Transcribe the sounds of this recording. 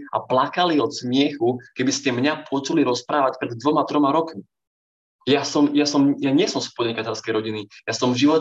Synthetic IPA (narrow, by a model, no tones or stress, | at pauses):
a̰plakaliɔt̪smɪɛxukɛbiscɛmɲapʊɔt͡ʃuliɾɔspɾaːʋacpɾɛd̪̚ːʋɔmat̪ɾɔmaɾɔkmi | jasɔmjasɔmjaɲɪɛsɔmspɔdɲɛkacɛlskɛjɾɔɟinijasɔmʒiʋɔ